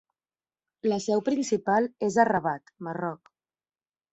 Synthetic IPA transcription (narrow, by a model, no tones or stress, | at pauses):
ləsɛwpɾinsipalˠezərəβ̞at̪marɔk